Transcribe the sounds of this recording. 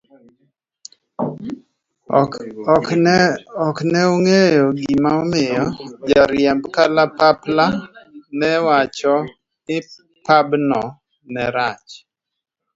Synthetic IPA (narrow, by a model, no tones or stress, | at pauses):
ɔknɛoŋejɔɡimaɔmɪjɔd͡ʒaɾjɛmbkalapaplanɛwat͡ʃɔ | nɪ | pabnɔ | nɛɾat͡ʃ